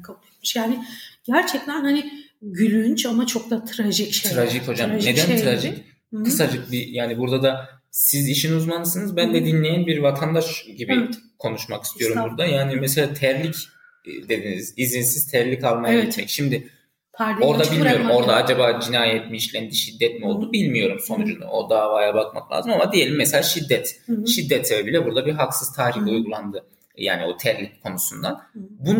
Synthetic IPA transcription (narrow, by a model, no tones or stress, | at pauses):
kʰabulˠmɯʃjaːnɪɟ̥æɾt͡ʃʰɛc̚t̪ʰænhanɪ | ɟylʲynt͡ʃamat͡ʃʰo̞k̚t̪at̪ʰɾaʒicʃɾaʒicho̞d͡ʒamne̞d̪ænt̪ɾaʒic | kʰɯsad͡ʒɯk̚bijaːnibuɾd̪ad̪a | siziʃinuzmanɯsɯnɯzbænd̪ɛd̪inlʲejænbiɾvat̪ʰand̪aʃɟibikʰo̞nuʃmakist̪ijo̞ɾummbuɾd̪ajaːnimɛs̬elʲaːt̪ʰæɾlʲic | d̪e̞d̪inizizinsiz̥t̪ʰæɾlʲicalˠmajaɛt͡ʃʰɛcʃimd̪ɪ | o̞ɾd̪abilʲmijo̞ɾummo̞ɾd̪aad͡ʒabaːd͡ʒinaːjɛt̪miːʃlʲænd̪iʃid̪ːɛt̪mio̞lˠd̪ubilʲmijo̞ɾumso̞nud͡ʒunṵo̰d̪avaːjabakma̰klˠa̰ːzɯmamad̪ije̞lʲimːɛselʲaːʃid̪ːɛt̪ʃid̪ːɛt̪sebebilʲɛbuɾd̪abiɦaksɯzt̪ʰaːɾiçujɡulˠand̪ɯ | ja̰ːnio̞t̪ʰæɾlʲic̚kʰo̞nusund̪a̰nbun